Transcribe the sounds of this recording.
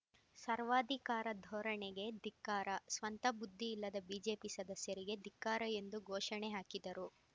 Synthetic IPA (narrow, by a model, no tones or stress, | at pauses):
sɐɾʋaːd̪ʱikaːɾɐd̪ʱɔːɾɐɳeɡed̪ikːaːɾɐsʋɐnt̪ɐbud̪ʱːiːlːɐd̪ɐbiːd͡ʒe̞ːpisɐd̪ɐsjɐɾiɡe̞d̪ʱikːaːɾɐe̞nd̪uɡʱɔːʃɐɳeɦaːkid̪ɐɾu